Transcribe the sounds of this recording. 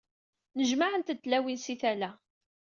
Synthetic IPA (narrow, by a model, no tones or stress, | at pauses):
nəʒmaʕənt̪ət̪ːlæwinsiθælæ